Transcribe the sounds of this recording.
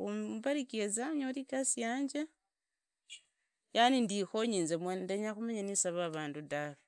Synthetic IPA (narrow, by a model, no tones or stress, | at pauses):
ubaɾikezaɲolikasijaːɲd͡ʒe | janindixoɲiːnzemwenndeɲaxumaɲanisaβaːβaːndudaβe